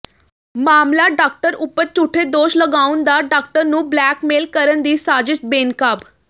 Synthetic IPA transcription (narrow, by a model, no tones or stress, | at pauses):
maːmlaːɖaːk̚ʈəɾʊpːəɾt͡ʃuːʈʰeːd̪oːʃləɡaːʊnd̪aːɖaːk̚ʈəɾnũːblɛːkmeːlkəɾənd̪iːsaːd͡ʒɪʃbeːnkaːb